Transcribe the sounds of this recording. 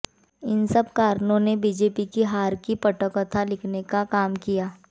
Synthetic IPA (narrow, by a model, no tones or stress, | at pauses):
ɪnsɐbkaːɾnõnebiːd͡ʒeːpikiɦaːɾkipɐʈəkɔt̪ʰalɪkʰnekakaːmkijaː